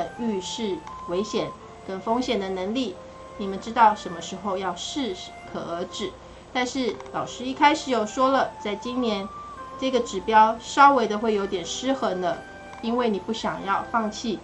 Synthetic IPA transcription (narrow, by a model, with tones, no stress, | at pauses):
y˥˧ʂɻ̩˥˩we˧˥ɪɕjɛ˨˩n | kə˥nfo˥ŋɕjɛ˨˩nd̪ə˦nə˧˥ŋli˥˩ | ni˨˩mə˨˦nʈ͡ʂɻ̩˥t̪ɑ˥˩ʊʂə˧˥nmə˧ʂɻ̩˧˥xo˥˧ʊjɑ˥˧ʊʂɻ̩˥˩ | kʰɤ˨˩ə˞˧˥ʈ͡ʂɻ̩˨˩ | t̪a˥˧nʂɻ̩˥˩lɑ˨˩ʊʂɻ̩˥˧i˥˩kʰa˥ɪʂɻ̩˨˩jo˥˩ʊʂwɔ˥lə˨t͡sa˥˩ɪt͡ɕi˥nnjɛ˧˥n | ʈ͡ʂɤ˥˩ɡə˩ʈ͡ʂɻ̩˨˩pjɑ˥ʊʂɑ˥ʊwe˧˥ɪd̪ə˧xwe˥˩ɪjo˧˥ʊt̪jɛ˨˩nʂɻ̩˥xɤ˧˥ŋd̪ə˧ | i˥nwe˥˩ɪni˨˩pu˥˩ɕjɑ˨˩ŋjɑ˥˧ʊfɑ˥˧ŋt͡ɕʰi˥˩